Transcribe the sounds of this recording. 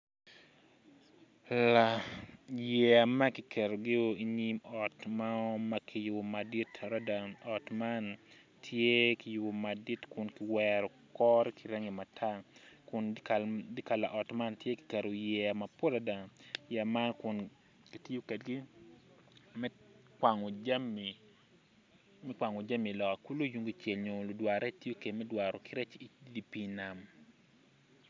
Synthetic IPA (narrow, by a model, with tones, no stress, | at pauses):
la | jɛ˨a˨ma˦ki˨kʰɛ˨ɾo˨ɡɪ˦o˦i˦ɲi˦mɔ˨tmaɔmakʰɪ˨jʊ˨ma˨di˦tɾa˦da˨ɔ˨tma˦n | tʰje˦ki˨ju˨ma˨di˦tkʊ˨nkɪ˨wɛɾɔ˨kɔ˦ɾkʰi˨ɾɛ˦ŋi˨ma˨tʰa˦kʊ˨nkdi˦ka˨la˨ʔɔ˨tma˦ntje˦ki̥˨kɛ˨ɾo˨jɛ˨ama˨po˦la˨da˨ŋja˨ma˦kʊ˨n | ki˨tjo˦kɛ˨dɡi˦ | mɛka˨ŋo˨d͡ʒmi | mɛ˦kwa˨ŋo˨d͡ʒa˦mi˨lɔ˨ka˨ku˦lo˦ju˨ŋɡo˨t͡ʃe˨lɲo˨lo˨dwa˨ɾɛ˦ti˦jo˦ke˨dmɛ˦dwa˨ɾo˨kɪ˦ɾɛ˦t͡ʃi˨di˦pi˦na˨m